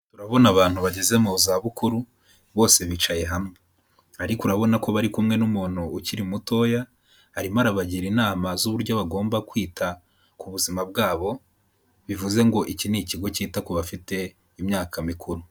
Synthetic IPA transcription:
tuɾaβo̞naβaːn̥huβaɟe̞ze̞mozaβukuɾu | βo̞ːse̞βit͡ʃaje̞ɦamŋe | aɾikuɾaβo̞nako̞βaɾikumŋe̞numuːn̥uuciɾimuto̞ːja | haɾimaɾaβaɟiɾinaːmazuβuɾɟo̞βaɡo̞ːmbakwiːta | kuβuzimab̚ɡaːβo̞ | βivuze̞ŋɡo̞ʔiciniciɡo̞ciːtakoβafite̞ | imɲaːkʰamikʰuɾu

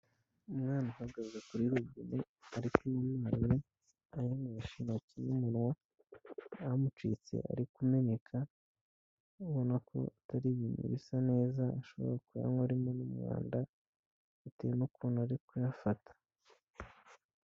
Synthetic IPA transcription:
umŋaːnuhaɡazakuɾiɾoɡine | aɾikuujumawe | ajindijaʃinacinumuɾwa | amut͡ʃit͡se̞̰ʔa̰ɾikume̞ɲe̞kʰa | uβo̞nakʰo̞̰atʰaɾiβiːnṵβisane̞ːzaːʃo̞βo̞̰ɾakuja̰ŋɡoaɾimonumŋa̰ːnda | itḛnukuːnuaɾikujafatʰḁ

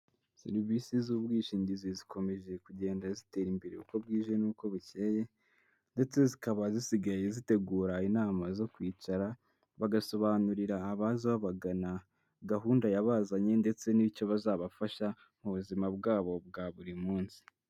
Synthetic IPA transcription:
sḛɾivisizuːbɡiːʃiːɲɟizizikʰo̞me̞ʒe̞kuɟe̞ːndazite̞ɾimbeɾeuko̞bɡiːʒe̞nuːko̞βuceːje̞ | nde̞t͡se̞zikaβazisiɡajezite̞ɡuːɾainaːmazo̞kwiːt͡ʃaɾa | βaɡaso̞βaːnuɾiɾaːβazaβaβaɡana | ɡaɦuːndajaβazaɲe̞nde̞t͡se̞niico̞βazaːβafaʃa | muβuzimabɡaːβo̞b̚ɡaβuɾimuːnsi̥

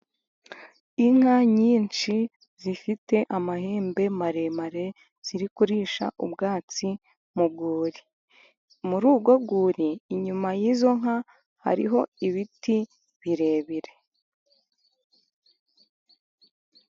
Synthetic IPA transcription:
iŋ̥haɲiːnt͡ʃi | z̥ifite̞ʔamahe̞ːmbe̞maɾe̞maɾe̞ | z̥iɾikuɾiːʃa̰ʔubɡaːt͡si | muɡoːɾi | muɾuːɡwaɡuːɾiːɲumajiːzo̞ŋ̥a | ha̰ɾḭɦo̞iβiti | βiɾe̞ːβiɾe̞

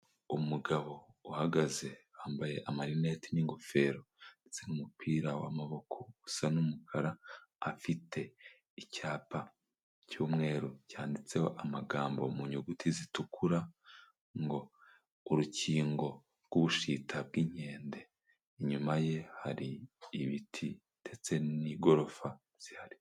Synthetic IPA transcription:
umuɡaβo̞uhaɡaze̞waːmbaje̞ʔamaɾine̞ːtiniŋɡofe̞ːɾo̞ndet͡se̞numupʰiːɾawa̰maβo̞kʰousanumukʰaɾaːfitʰe̞ | icaːpa | cuːmŋe̞ːɾucaːndit͡se̞ho̞ʔamaɡaːmbo̞muɲuɡutʰizitukuɾa | ŋɡo̞ː | ɾuciːŋɡo̞ | ɾɡ̥uβuʃitʰab̚ɡiɲe̞ːnde | iɲumaje̞haɾiːβitʰi | d̥e̞t͡se̞niɡo̞ɾo̞fa | z̥ihaɾi

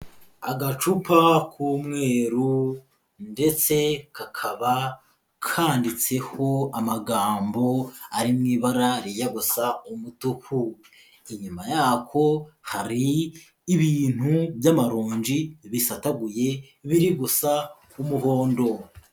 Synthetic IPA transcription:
aɡat͡ʃupʰakʰuːmŋe̞ːɾu | nde̞t͡se̞kʰakʰaβa | kʰaːndit͡se̞ho̞amaɡaːmbo̞aɾimŋiːβaɾaɾijaɡusaumutukʰu | iɲumajaːkʰo̞haɾiː | βiːn̥huβjamaɾuːɲd͡ʒiβisataɡuje̞ | βiɾiɡusa | umuho̞ːndo̞

